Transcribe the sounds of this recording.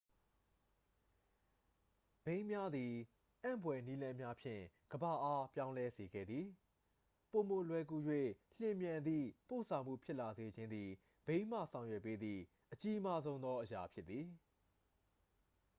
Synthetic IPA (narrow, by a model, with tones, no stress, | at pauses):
b̥ẽ˦ɪ̃mja˦d̪i˨ | ʔã˦˨mbwɛ˨ni˦lã˦mja˦pʰjɪ̰̃˦˨ | ɡ̥əba˦˨ʔa˦pjã˦ʊ̃lɛ˦ze˨ɡɛ̰˦˨d̪ði˨ | po˨mo˨lwɛ˨ku˨jwḛ˦˨l̥ɪ̃˨mjã˨nd̪ðḭ˦˨po̰˦˨sʰã˨ʊ̃m̥ṵ˦˨pʰjɪ˦ʔla˨ze˨d͡ʑɪ̃˦nd̪ði˨ | b̥ẽ˦ɪ̃m̥a̰˦˨sʰã˨ʊ̃jwɛ˦˨pːe˦d̪ðḭ˦˨ | ʔət͡ɕi˦ma˦zõ˦ʊ̃nd̪ɔ˦ʔəja˨pʰjɪ˦t̪t̪ːi˨